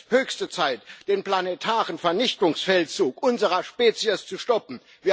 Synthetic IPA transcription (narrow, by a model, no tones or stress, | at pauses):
høːçstət͡saɪtd̥eːnpl̥anetʰaːʁənfɛɐnɪçtʊŋsfɛlt͡suːkʔʊnzəʁɐʃpeːt͡siəst͡suʃtɔpm̩ | viːɐ